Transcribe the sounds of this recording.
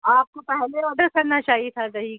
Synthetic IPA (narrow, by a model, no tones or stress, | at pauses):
aːp̚kopɛɦleɔɖəɾkɐɾnat͡ʃaːɦit̪ʰazɐɦi